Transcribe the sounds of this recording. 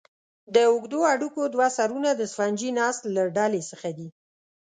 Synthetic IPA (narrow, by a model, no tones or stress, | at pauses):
d̪əʊɡd̪oaɽukod̪wasaɾunad̪əsfand͡ʒinɑst̪laɖalesəxad̪i